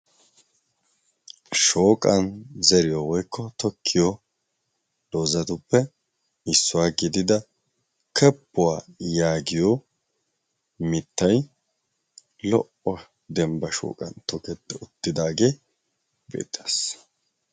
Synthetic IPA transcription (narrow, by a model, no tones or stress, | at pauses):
ʃoːkʼɐnzɛɾɪjɔwɔjkʰːɔt̪ɔkʰːɪjɔ | d̪̥o̞ːzɐt̪ʊpːɛ | ɪsːʊwaːɡɪd̪ɪd̪ɐ | kʰɛpːʊwaːjaːɡɪjo | mɪt̪ːɐj | lɔʔɔ | d̪ɛmbɐʃo̰ːkʼɐ̰nt̪ɔkɛt̪ːɛʊt̪ːɪd̪aːɡe̞ː | bḛːt̪ʼːas